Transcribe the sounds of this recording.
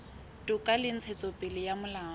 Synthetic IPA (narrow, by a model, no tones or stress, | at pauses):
tʼʊkʼalɪn̩t͡sʰet͡sʼɔpʼɪlɪjamʊlaː